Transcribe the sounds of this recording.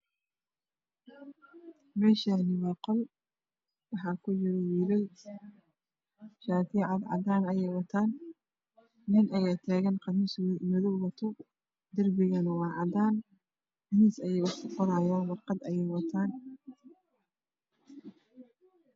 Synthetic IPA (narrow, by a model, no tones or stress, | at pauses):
mɛːʃanɪwɑqɔl | wɑħɑːkʰʊt͡ʃɪɾɛjɪɾɛj | ʃaːt̪ʰɪʕɑd̪ʕɑ̰d̪aːnɐjɛjwɑt̪ʰaːn | ɪnʔɐjaːt̪ʰaːɣɐnqɑnisimʊðɔwwɐt̪ʰʊ | d̪ɐrbɪɣɐnɐwɑːʕɑd̪aːn | ɐniːsɐjɛjʊħkʰʊqɔɾaːjaːnwɑqɑd̪ɐjɛjwɐt̪ʰaːn